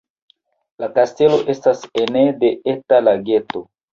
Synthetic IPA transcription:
lakaste̞lo̞ʔe̞stasenede̞etalaɡe̞to̞

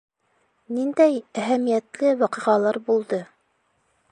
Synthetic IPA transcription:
nind̪æjæɦæmijæt̪lɘwɑqɤ̆ʁɑlˠɑɾbulˠd̪ɤ

